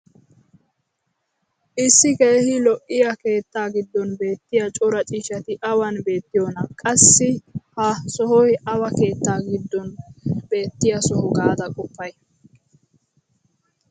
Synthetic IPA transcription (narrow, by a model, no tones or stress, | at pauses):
ʔɪsːɪkejhɪlɔʔːɪjɐke̞ːt̪ːaːɡɪd̪ːɔnbe̞ːt̪ːɪjɐt͡ʃʼɔɾɐt͡ʃʼiːʃɐt̪ɪʔɐwɐnbe̞ːt̪ːɪjɔnɐkʼɐsːɪhɐsɔhɔjɐwɐke̞ːt̪ːaːɡɪd̪ːɔnb̥e̞ːt̪ːɪjɐsɔhɔɡaːd̪ɐkʼʊpːɐj